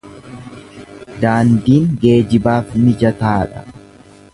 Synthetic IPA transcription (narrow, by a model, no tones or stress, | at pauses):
d̪aːnd̪iːŋɡe̞ːd͡ʒɪbaːfnɪd͡ʒɐt̪aːᶑɐ̥